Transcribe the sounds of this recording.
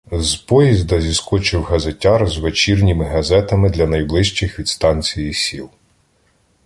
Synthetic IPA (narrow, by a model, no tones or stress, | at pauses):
zpɔjizd̪ɐzʲiskɔt͡ʃɪwɦɐzetʲɑrzʋet͡ʃirnʲimɪɦɐzɛt̪ɐmɪd̪lʲɐnɐjblˠɪʃt͡ʃɪxʋʲid̪st̪ɑnʲt͡sʲijisʲilˠ